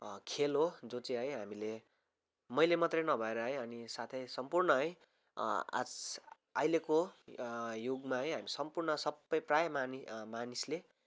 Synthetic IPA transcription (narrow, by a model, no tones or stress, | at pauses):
kʰelɦod͡zot͡sʌ̃ɦʌjɦamile | mʌjlemʌt̪rʌjnʌbʱʌeɾʌɦʌjʌnisat̪ʰʌjsʌmpurnʌɦʌj | a̰d͡z | a̰jleko | juɡmaɦʌjɦamisʌmpurnʌsʌbːʌjprajʌmanimanisle